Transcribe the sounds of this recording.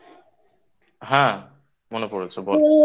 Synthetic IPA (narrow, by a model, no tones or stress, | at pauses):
ɦã | monepoɾet͡sʰebɔ